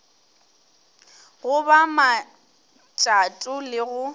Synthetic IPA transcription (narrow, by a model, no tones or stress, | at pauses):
ɣʊbama | t͡ʃʼatʼʊlɪɣʊ